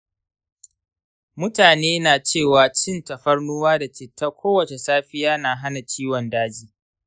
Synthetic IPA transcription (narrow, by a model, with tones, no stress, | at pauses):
mʊ˦taː˨neː˦naː˨t͡ʃeː˦˨waː˨t͡ʃɪ˦˨nta˨ɸɐ˦rnuː˦waː˦da˨t͡ʃɪ˨tːa˦kʷʰoː˦wɐ˨t͡ʃe˨saː˦ɸɪ˦jaː˦naː˨ɦa˦na˨t͡ʃiː˦wɔ˨ndaː˦d͡ʒiː˦